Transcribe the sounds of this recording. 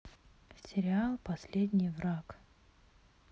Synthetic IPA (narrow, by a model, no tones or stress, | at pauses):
sʲɪɾʲɪalˠpɐsʲlʲed̪ʲnʲɪjvrak